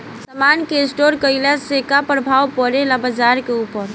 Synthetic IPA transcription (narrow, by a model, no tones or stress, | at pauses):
sɐmaːnkeɪsʈoːɾkəɪlasekapɾəbʱaːwpɔɾelabəd͡ʒaːɾkeuːpəɾ